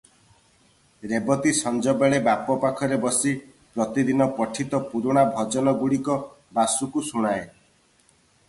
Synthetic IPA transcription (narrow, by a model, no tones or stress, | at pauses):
ɾebɔt̪isɔnd͡ʒɔbeɭebapɔpakʰɔɾebɔsi | pɾɔt̪id̪inɔpɔʈʰit̪ɔpuɾuɽ̃abʱɔd͡ʒɔnɔɡuɽikɔ | basukusuɽ̃ae